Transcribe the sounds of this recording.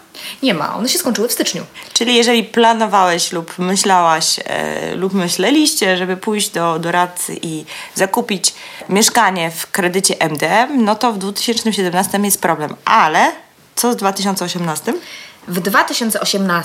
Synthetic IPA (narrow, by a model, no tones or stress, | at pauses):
ɲɛma̰ʔɔ̰nɛɕɛskɔɲ̃ʲt͡ʂɘwɘfst̪ɘt͡ʂɲṵt͡ʂɘlʲijɛʐɛlʲiplanɔvawɛɕlupmɘɕlawaɕlupmɘɕlɛlʲiɕt͡ɕɛʐɛbɘpujʑd͡ʑd̪ɔd̪ɔɾat̪sɘ̰ʔizakupʲit͡ɕ | mʲjɛʂkaɲɛfkɾɛd̪ɘt͡ɕɛʔɛmd̪ɛɛmnɔt̪ɔvd̪vut̪ɘ̥ɕɛnt͡ʂnɘmɕ̬ɛd̪ɛmnast̪ɘmjɛst̪̚pɾɔblɛmʔalɛ | t̪sɔzd̪vat̪ɘɕ̬ɔnt̪sɔɕɛmnast̪ɘmvd̪vat̪ɘɕɔnt̪sɛɔɕɛmna